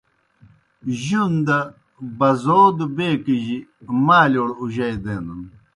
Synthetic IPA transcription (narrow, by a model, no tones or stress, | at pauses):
ʑund̪ɐ | bɐzoːd̪ubeːkiʑimaːloːɽuʑɐjd̪eːnun